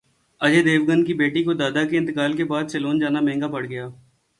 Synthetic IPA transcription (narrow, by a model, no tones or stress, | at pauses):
ɐd͡ʒed̪eːʋɡə̃nd̪kibeːʈikod̪aːd̪akeɪ̃nt̪ɪkaːlkebaːd̪̚t͡ʃɐloːnd͡ʒaːnamɛ̃ːŋɡapɐɽɡɐjaː